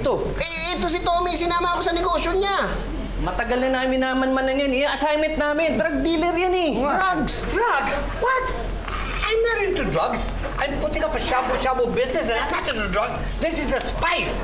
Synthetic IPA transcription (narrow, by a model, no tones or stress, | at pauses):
t̪o | ʔɛɛt̪os̬ɪt̪omisɪnaːmɐɐkosɐnɛɡoːʃjoɲa | mɐt̪ɐɡɐlɐnaːmɪnːaːmaɐnmɐnɐŋjanɪjaɐsajmɛt̪̚naːmɪnd̪ɾɐɡ̚d̪iːlɛɾjanɛaɡsd̪ɹaɡs | wɐt̪ | ʔɐjmnɐɾɪɪnt̪ʊd̪ɹaɡs | ʔɐjmput̪ɪŋkɐpɐʃaboʃabobɪsnɛsɐnap̚nat̪ɪnsʊd̪ɹaɡs | ðɪsɪsd̪ɐspajs